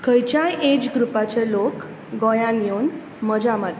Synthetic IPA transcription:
kʰəjt͡ɕajʔed͡ʑɡɾupat͡ɕelok | ɡɔjãnijon | məd͡ʑamaɾt̪

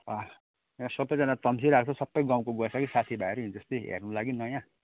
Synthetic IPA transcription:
ʌ | jãsʌbʌjd͡zʌnat̪ʌmsiɾak̚t͡sʰʌsʌpːʌjɡãw̃koɡʌsakisat̪ʰibʱaeɾuɦind͡zʌst̪iɦḛrnulaɡinʌjã

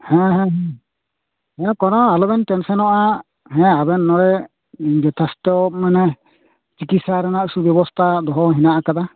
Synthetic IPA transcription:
hɛ̃ɦɛ̃ɦɛ̃ | hɛ̃kɔnɔalɔbɛnʈɛnsɔnɔʔa | ɦɛ̃abɛnːɔɽɛ | d͡ʒɛt̪ʰast̪ɔmanɛ | t͡ʃikit̪saɾanaʔusubjɔbɔst̪ʰad̪ɔɦɔɦinaʔakad̪a

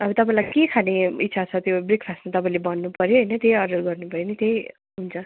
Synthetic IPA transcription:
ʌbʌt̪ʌpãĩlajkekʰaneit̪ːsʰat͡sʰʌt̪jobrikʰpʰastmat̪ʌpaĩlebʌnːupʌɾjoɦʌjnʌt̪jejʌɖʌrɡʌrnubʱʌjenit̪ej | ɦunt͡sʰʌ

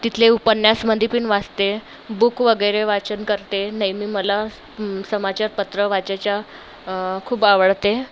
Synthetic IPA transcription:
t̪it̪ʰleupənjasməd̪ʱipiːɳʋast̪e | bukʋəɡəjɾeʋat͡ɕənkəɾt̪enəjmiːməla | səmat͡ɕaɾpət̪ɾəʋat͡ɕat͡ɕja | kʰuːbaʋəɭt̪e

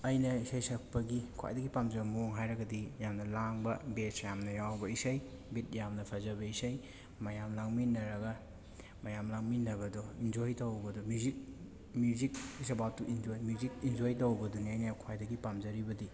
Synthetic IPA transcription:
ɐjnɐisajsɐk̚pɐɡikʰa̰jdɐɡipamzɐmoŋɦajɾɐɡɐdijamnɐlaŋbɐbesjamnɐjawbɐisaj | bit̚jamnɐpʰazɐβɐisaj | mɐjamlaŋminːɐɾɐɡɐ | mɐjamlaŋminːɐβɐdɔind͡ʒojtɐwbɐdɔmjuzik̚ | mjuzik̚is̬abawtːuʔind͡ʒojmjuzik̚ind͡ʒojtowbɐduniɐjnɐkʰwajdɐɡipamzɐɾibɐdi

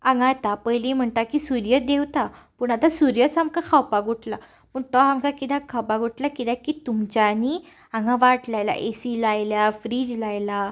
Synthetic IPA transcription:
ãŋɡat̪apəjlim̤əɳt̪akisuɾjəd̪ewt̪apuːɳat̪asuɾjət͡samkakʰawpaɡʱuʈla | pəɳt̪ɔamkakit̪akʰawpaɡʱuʈlakit̪akit̪umt͡ɕani | ãŋɡãʋaʈlajla̰ʔesilajljafɾid͡ʑlajla

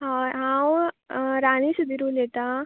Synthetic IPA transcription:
ɦaɦãwɾaɽ̃isud̪ʱiɾulet̪a

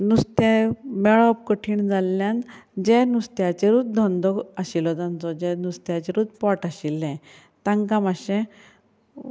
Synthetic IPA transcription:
nust̪ɛ̃mɛɭɔpkəʈʰiːɳd͡zalːjãnd͡ʑɛ̃nust̪jat͡ɕeɾut̪̚d̪ʱɔnd̪ɔaɕilɔd͡zãnt͡sɔd͡ʑɛnust̪jat͡ɕeɾut̪̚pɔʈaɕilːɛ̃ | t̪ãŋkamaɕɛ̃

